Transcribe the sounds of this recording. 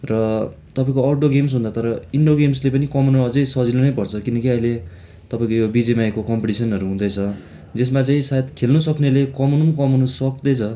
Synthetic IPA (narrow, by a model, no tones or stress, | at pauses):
rʌ | t̪ʌpaĩkoaʈoɡems̬ɦũnd̪at̪ʌɾʌiɳɖoɡemslep̬ʌnikʌmunʌd͡zʌjsʌd͡zinunʌjpʌrt͡sʰʌkinʌkiʌjle | t̪ʌpaĩkojobid͡zemajkokʌmpeʈisʌnʌɾuɦũd̪ʌjt͡sʰʌ | d͡zes̬mat͡saĩsajt̪kʰelnusʌknelekʌmunumkʌmunusʌk̚d̪ʌjt͡sʰʌ